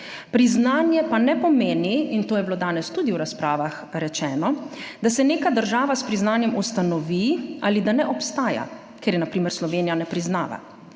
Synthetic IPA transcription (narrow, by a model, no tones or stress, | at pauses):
pɾiznaːnjɛpanɛpɔmeːniint̪oːjɛbloːd̪aːnɛst̪ud̪iwɾaspɾaːʋax | ɾɛt͡ʃɛːnɔd̪asɛneːkad̪əɾʒaːʋaspɾiznaːnjɛmust̪anɔʋiaːlid̪anɛʔɔpst̪aːja̰ | keːɾjɛnapɾiːmɛɾslɔʋeːnijanɛpɾiznaːʋa̰